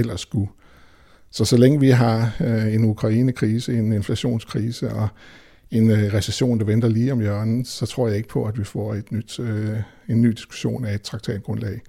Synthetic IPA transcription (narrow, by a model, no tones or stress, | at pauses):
el̰ɐsɡ̥u | sɒ̽sɒ̽leŋəʋiɦɑ̈e̝nukʰʁɑ̈iːnəkʰʁiːsəe̝ne̝nflæɕo̝̰ːnskʰʁiːsəʔɒ̽ | e̝nʁɛseɕo̝̰ːnd̥ɑ̈ʋend̥ɐliːɒ̽mjœɐɐnn̩sɒ̽t͡sʰʁo̝ɐ̰jɑ̈eɡ̥ə̥pʰɒ̽æd̥ʋifɒ̰ːe̝d̥nyd̥ | enːy̰ːd̥i̥sɡ̥u̥ɕo̝̰ːnæe̝d̥̚t͡sʰʁɑ̈ɡ̥t͡sʰɛ̰ːd̥̚ɡ̥ʁɔ̽nlɛ̰ɪ